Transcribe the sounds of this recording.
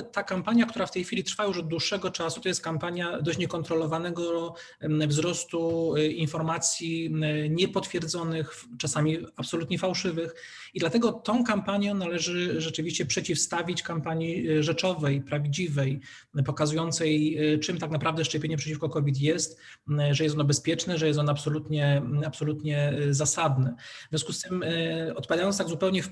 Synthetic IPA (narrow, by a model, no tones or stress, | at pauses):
t̪akampaɲjakt̪uɾaft̪ɛjxʲfʲilʲit̪ɾfajuʂɔd̪d̪wuʂːɛɡɔt͡ʂasu̥t̪ɔjɛst̪̚kampaɲjad̪ɔɕt͡ɕɲɛkɔnt̪ɾɔlɔvanɛɡɔ | vzɾɔst̪uinfɔɾmat̪sʲjiɲɛpɔt̪fʲjɛɾd̪zɔnɘx | t͡ʂasamʲiapsɔlut̪ɲɛfawʂɘvɘx | id̪lat̪ɛɡɔt̪ɔ̃w̃kampaɲjɔ̃nalɛʐɘʐɛt͡ʂɘvʲiɕt͡ɕɛpʂɛt͡ɕifst̪avʲit͡ɕkampaɲjiʐɛt͡ʂɔvɛjpɾavʲd͡ʑivɛj | pɔkazujɔnt̪sɛjt͡ʂɘmt̪aknapɾavd̪ɛʂt͡ʂɛpʲjeɲɛpʂɛt͡ɕifkɔkɔvʲit̪̬jɛst̪ | ʐɛjɛst̪ɔnɔbɛspʲjɛt͡ʂnɛʐɛjɛst̪ɔnapsɔlut̪ɲɛapsɔlut̪ɲɛzasad̪nɘvʲjɔ̃skust̪ɘmɔt̪̚paaajɔnst̪aɡzupɛwɲɛ